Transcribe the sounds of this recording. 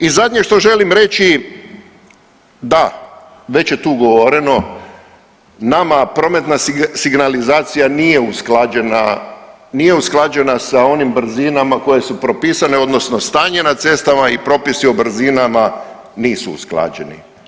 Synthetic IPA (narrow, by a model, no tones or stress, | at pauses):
izad̪ʲɲeʃt̪o̞ʒe̞limɾe̞t͡ʃi | d̪a | ʋe̞t͡ɕjet̪uːɡoʋoɾeno̞ | namapɾo̞ːme̞t̪nasiɡnalizaːt̪sijaniːje̞usklad͡ʒena | niːje̞usklˠad͡ʒe̞nasao̞nimbr̩zinamako̞je̞supɾo̞piːsane̞o̞d̪no̞sno̞st̪aːɲenat̪se̞st̪amaipɾo̞pisiobr̩zinama | niːsuṵsklˠa̰ːd͡ʑḛnḭ